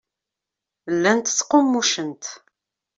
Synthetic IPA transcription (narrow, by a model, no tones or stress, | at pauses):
lːænt̪ə̥t͡sːqomːuʃənt̪